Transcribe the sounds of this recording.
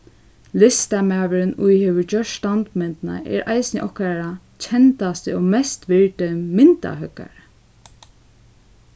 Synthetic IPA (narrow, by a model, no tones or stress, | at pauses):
lɪst̪amæːʋəɾɪnʊjheːʋəɹd͡ʒœʃt̪ant̪mɛnt̪ɪna̰ʔɛ̰ɾʔa̰ɪsnəʔɔhkaɾa | t͡ʃʰɛnt̪ast̪əoːmɛst̪ʋɪɹʈ̪əmɪnt̪a̰ɦœkːa̰ɹ